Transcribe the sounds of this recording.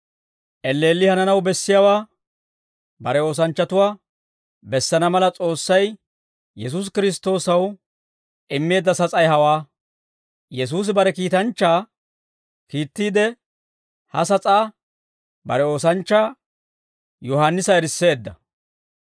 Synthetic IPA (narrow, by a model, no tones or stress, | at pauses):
ʔɛlːeːlːɪhɐnɐnɐwbɛsːɪjawaː | bɐɾɛo̞ːs̬ɐnt͡ʃːɐt̪ʊwaː | bɛsːɐnɐmɐlɐt͡sʼo̞ːsːɐj | jɛs̬us̬kɪɾɪs̬t̪o̞ːsɐw | ʔɪmːe̞ːd̪ːɐsɐt͡sʼɐjɦɐwaː | jɛs̬uːs̬ɪbɐɾɛkiːt̪ɐnt͡ʃːaː | kiːt̪ːiːd̪ɛ | hɐ̰s̬ɐt͡sʼaː | bɐ̰ɾɛo̞ːs̬ɐnt͡ʃːaː | jɔhanːɪsɐɛɾɪsːe̞ːd̪ːɐ̰